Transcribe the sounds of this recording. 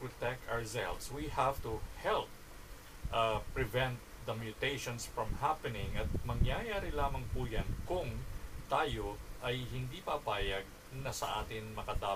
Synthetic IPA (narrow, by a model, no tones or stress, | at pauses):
pɔt̪ɛk̚t̪aɹsɛ̰lvswihavt̪uhɛlp̚ | ʔaɹɪvɛ̃nt̪̚d̪ɐmjʊt̪ejʃõnsfɹɐ̃mhapɛnɪŋʔɐt̪̚mɐŋjajaːɾɪlaːmɐŋpuːjankʊŋt̪aːjoʔɐjhɪnd̪iːpapaːjɐɡ̚ | nɐsɐ̰ʔaːt̪ɪŋmɐkɐd̪aː